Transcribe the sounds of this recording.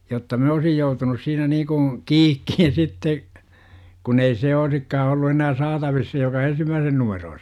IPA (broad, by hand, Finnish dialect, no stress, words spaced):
jotːɑ min̥ oːsij joutunus siːnæ niː kũː kiːkːihin sitːe kun ei se oisikːɑː olːu enæː sɑːtɑʋis se jokɑ ensimːæːsen numeroː